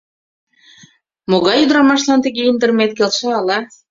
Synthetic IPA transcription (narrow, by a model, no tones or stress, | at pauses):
moɣɑjud̪ɾɑmɑʃlɑnt̪ə̆ɣeind̪ə̆rmet̪̚kelʃeɑlɑ